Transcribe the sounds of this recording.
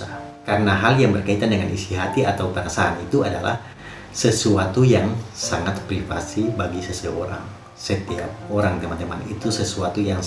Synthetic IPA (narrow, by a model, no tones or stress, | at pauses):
a | karənaɦaljaŋbərkait̪andəŋanʔisiɦat̪iat̪awpanasaɾanit̪uadala̰h | səsuat̪ujaŋsaŋat̪pɾifa̰sibaɡisəsəoɾa̰ŋ | sət̪ia̰p̚oɾaŋt̪emant̪emanit̪usəsuat̪ujaŋ